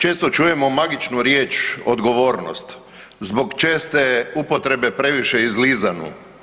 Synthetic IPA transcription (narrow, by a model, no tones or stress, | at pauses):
t͡ʃe̞ːst̪ot͡ʃuje̞momaɡit͡ʃnuɾjeːt͡ʃod̪ɡo̞ʋoːɾno̰st̪ | zbokt͡ʃeːst̪eupot̪ɾe̞be̞pɾe̞ʋiʃeizlizanṵ